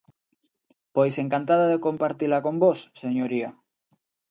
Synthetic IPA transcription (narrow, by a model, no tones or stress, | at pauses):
pojseŋkant̪að̞aðeko̞mpaɾt̪ilako̞mbosːeɲoɾia